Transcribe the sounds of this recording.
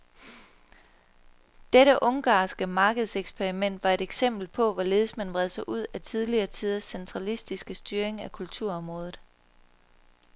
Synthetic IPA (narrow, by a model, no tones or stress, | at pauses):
d̥eɾəʔɔ̽ŋɡ̥ɑ̰̈ːsɡ̥əmɑ̈ːɡ̥əð̞ˠseɡ̥spʰeɐʁimen̰d̥ʋɑ̈e̝ɾ̥eɡ̥sem̰b̥l̩pʰɒ̽ʋɒle̝ːð̞ˠsmænʋʁɛð̞ˠsɑɪʔuð̞̰ˠæt͡sʰiðˠliɐːt͡sʰiðˠɐsːent͡sʰʁɑ̈lisd̥isɡ̥əsd̥yːɐeŋækʰult͡sʰuɐ̰ɒ̽mʁɔ̽ːðˠð̩ˠ